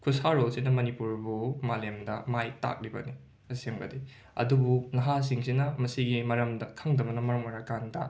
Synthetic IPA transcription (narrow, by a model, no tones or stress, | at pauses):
kʰusaɾolsinɐmɐnipuɾbumalemdɐmajta̰k̚ɾibɐ̰ni | ɐsseŋbɐ̰di | ɐ̰dubunɐɦas̬iŋsinɐmɐsiɡimɐɾɐmdɐkʰɐŋdɐmɐnɐmɐɾɐŋɐɾakandɐ